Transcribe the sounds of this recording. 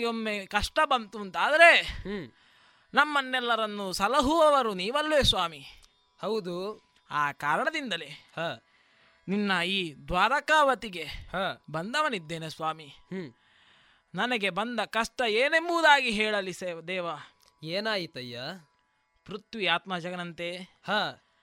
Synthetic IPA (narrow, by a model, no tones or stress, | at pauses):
ɡeommeːkɐʂʈɐbɐnt̪unt̪aːd̪ɐɾe̞ | nɐmːɐnːɛlːɐɾɐnːusɐlɐɦuʋɐʋɐɾuniːʋɐlːʋeːsʋaːmi | hɐwd̪u | aːkaːɾɐɳɐd̪ind̪ɐlehaː | ninːɐiːd̪ʋaːɾɐkaːʋɐt̪iɡe̞haːbɐnd̪ɐʋɐnid̪ːeːnesʋaːmi | nɐnɐɡe̞bɐnd̪ɐkɐʂʈɐeːnemuːd̪aːɡiɦɛːɭɐliseːd̪ɛːʋɐ | eːnaːjit̪ɐjːa | pɾut̪ʋiaːt̪mad͡ʒɐɡɐnɐnt̪ehaː